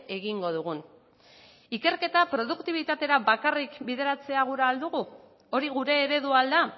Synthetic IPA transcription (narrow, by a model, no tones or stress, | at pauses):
e̞ɣiŋɡo̞ð̞uɣun | ike̞ɾke̞t̪apɾo̞ð̞ukt̪iβ̞it̪at̪e̞ɾaβakarikbiðe̞ɾat͡se̞aɣ̞uɾaːld̪uɣu | o̞ɾiɣuɾe̞ːɾe̞ðuald̪a